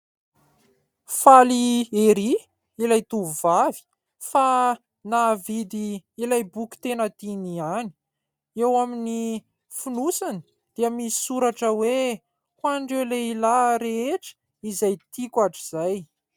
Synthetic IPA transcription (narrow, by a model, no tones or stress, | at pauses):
falieɾi | ilajt̪uvuvavi̥ | fa | navid̪iːlajbukʲi̥t̪enət̪iniani̥ | ewamini | funusani̥ | d̪̥iəmisi̥suɾaʈ͡ʂəwe | kwaɳɖ͡ʐewleilaɾeeʈ͡ʂə̥ | izajt̪ikʲaʈ͡ʂiz̥aj